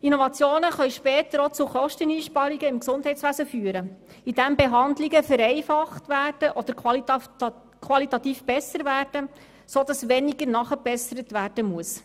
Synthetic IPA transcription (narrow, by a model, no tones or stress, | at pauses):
inovɑt͡sjoːnəχœɥʃpɛːtəɾot͡sʊχɔʃtəniːʃpɑɾiɡəɪmksʊndɦɛɪtsʋæsəfyːəɾə | id̥æmbeɦɑnd̪liɡəfəɾɛɪfɑχtʋæːrd̥əʔɔd̥̪əɾ | kʰʋɑlitɑtiːfb̥ɛsəɾvæːrd̥ə | soːdɑsʋɛniɡəɾnɑχəb̥ɛsəɾətvæːrd̥əmuəs